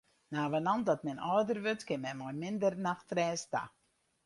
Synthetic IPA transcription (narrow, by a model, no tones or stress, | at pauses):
naːʋənɑndɔtmɛnɔːdərʋøtkɪnmɛjmɔjmɪndərnaxtrɛːsta̰